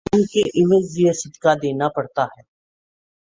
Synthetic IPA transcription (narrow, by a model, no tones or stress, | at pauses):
nkeʔɪməd͡ʒziəsɪd̪kad̪eːnapɐɽt̪aɦɛː